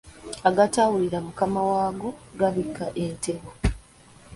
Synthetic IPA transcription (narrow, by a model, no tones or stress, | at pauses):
aɡatawuliɾamukamawaːɡo̞ɡaβikːaʔente̞βo